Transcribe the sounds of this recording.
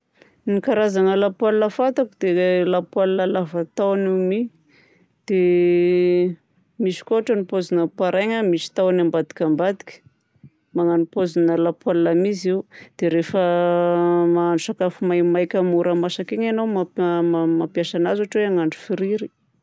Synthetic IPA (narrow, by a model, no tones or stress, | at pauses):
nikaɾazaŋəlapwalnəfat̪akud̪elapwalnəlavat̪awanimi | d̪̥e | miʃi̥koaʈ͡ʂənipozinəpaɾaŋamiʃi̥t̪awanambad̪i̥kʲambad̪i̥kʲə̥ | maŋanupozinəlapwalnamiziwd̪̥eɾefə | maːɳɖ͡ʐuʃakafumajmajkʲamuɾamasakeɲenowmamamapjasanazaʈ͡ʂweaŋaɳɖ͡ʐu̥fiɾiɾi̥